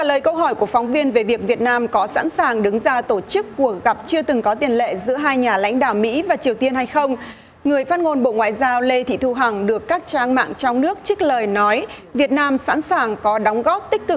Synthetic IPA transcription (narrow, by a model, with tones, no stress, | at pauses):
aː˨˩ləː˨˩jkə˧wɦɔ˧˩jku˧˩əfɔ˨˦wŋ͡mvi˧ənve˨˩vi˨˩ək̚vi˨˩ət̚naː˧mkɔ˨˦sa̰ː˧˥nsaː˨˩ŋɗɨ˨˦ŋzaː˧t̪o˧˩t͡ɕɨ˦˥kːu˨˩ək̚ɣa˨˩p̚t͡ɕɨ˧ət̪ɨ˨˩ŋkɔ˨˦t̪i˨˩ənlḛ˧˨zɨ̰˧˥əɦaː˧jɲaː˨˩la̰˧˥jŋ̟ɗa̰ː˧˨wmḭ˧˥vaː˨˩t͡ɕi˨˩əwt̪i˧ənha˧jxə˧wŋ͡m | ŋɨ˨˩əjfaː˦˥t̚ŋo˧nɓo̰˧˨ŋwa̰ː˧˨jzaː˧wle˧t̪ʰḭ˧˨t̪ʰu˧ɦa˨˩ŋɗɨ˨˩əkːaː˦˥k̚t͡ɕaː˧ŋma̰ː˧˨ŋt͡ɕɔ˧wŋ͡mnɨ˦˥ək̚t͡ɕi˦˥k̟̚ləː˨˩jnɔ˨˦jvi˨˩ət̚naː˧msa̰ː˧˥nsaː˨˩ŋkɔ˨˦ɗɔ˨˦wŋ͡mɣɔ˦˥p̚t̪ï˦˥k̟̚kːɨ˨˩k̚